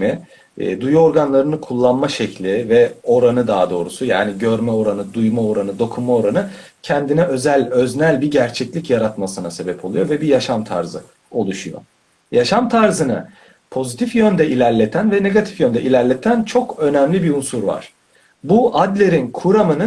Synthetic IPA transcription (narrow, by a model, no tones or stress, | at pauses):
mɛ̰ | d̪ujuo̞ɾɡanlˠaɾɯnɯkʰulˠːanmaʃɛclʲivɛo̞ɾanɯd̪aːd̪o̞ːɾusuja̰ːniɟø̞ɾmɛo̞ɾanɯd̪ujmao̞ɾanɯd̪o̞kʰunmao̞ɾanɯ | cʰɛnd̪inɛʔø̞zælʲøznælʲbiɟæɾt͡ʃʰɛclʲicjaɾat̪masɯnase̞bɛpʰo̞lˠujo̞vɛbijaʃamt̪ʰa̰ɾzɯ̰ | o̞lˠuʃujo̰ | jaʃamt̪ʰaɾzɯnɯ | pʰo̞zit̪ʰifjønd̪ɛilʲæɾlʲe̞t̪ʰænvɛne̞ɡat̪ʰi̥fjønd̪ɛʔilʲæɾlʲet̪ʰænt͡ʃʰo̞kø̞nɛmlʲibiunsuɾva̰ɾ̥ | buad̪lʲe̞ɾinkʰuɾamɯnɯ